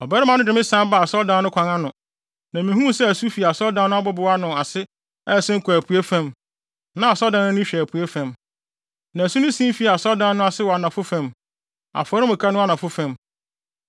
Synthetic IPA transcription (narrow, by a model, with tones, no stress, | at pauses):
ɔ˨bɛ˦ɾɪ˦mã˨nʊ̃˦dɪ˨mɪ̃˦sã˦ba˨sɔ˦ldã˦nʊ̃˦kʰʷã˨ŋã˦nʊ̃˨ | nã˨mĩ˨ɦũ˦sɛ˦æ˨su˦fi˨a˨sɔ˦ldã˦nʊ̃˦a˦bɔ˦bʊ˨wa˦nʊ̃˨a˨sɪ˦ | ɛ˦˨sɪ˦ŋ̩˦kʰʷu˨æ˨pʰu˨e˦fæ̃˦m | nã˨a˨sɔ˦dã˦nʊ̃˦nʊ̃˦ɕᶣpʰu˨e˦fæ̃˨m | nã˨su˦nʊ̃˦sĩ˦m˦fi˨a˨sɔ˦ldã˦n˦nʊ̃˦a˨sɪ˦wɔ˨a˨nã˨fʊ˦fæ̃˨m | a̰˨fɾɪ˦mʊ̃˨kʰa˦nʊ̃˦a˦nã˨fʊ˦fã˨m